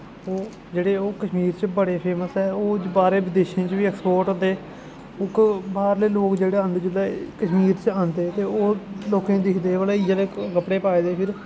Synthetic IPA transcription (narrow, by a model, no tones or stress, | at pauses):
oː | d͡ʒeːɽeːoːkəʃmiːɾt͡ʃbəɽeːpʰeːməsɛːoːbaːɾeːʋɪd̪eːʃẽːt͡ʃʋiːɛkspoːɾʈɦot̪eː | ʊkbaːɾleːloːkd͡ʒeːɽeːə̃nd̪d͡ʒɪlɛːkəʃmiːɾt͡ʃãːnd̪eːt̪eːoːloːkẽːd̪ɪkʰd̪eːʋəleːɪd͡ʒaːleːkəpɽeːpaːeːd̪eːpʰɪɾ